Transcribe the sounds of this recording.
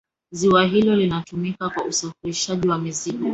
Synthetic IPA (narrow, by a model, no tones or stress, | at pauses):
ziwaɦilɔlinatumikakwausafiɾiʃaʄiwamizikɔ